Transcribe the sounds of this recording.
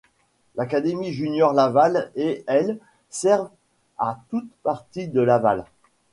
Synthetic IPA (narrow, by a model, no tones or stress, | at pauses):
lakad̪emiʒynjɔʁlavaleɛl | sɛʁv | at̪ut̪paʁt̪id̪əlava̰l